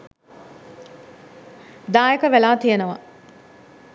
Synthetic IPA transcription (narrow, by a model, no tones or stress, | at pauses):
d̪aːjekəʋelaːt̪ijenəʋɐ̰